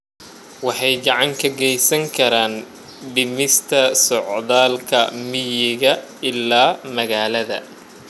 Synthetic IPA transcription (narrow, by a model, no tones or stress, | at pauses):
wɑħɑjɡɑʕɑŋkʰɐɡɛjsɐŋkʰɐɾaːn | ɖɪmɪst̪ʰɐsɔʕðaːlkʰɐmɪjɪɣɐ | ɪlaːmɐɣaːlɐðɐ̰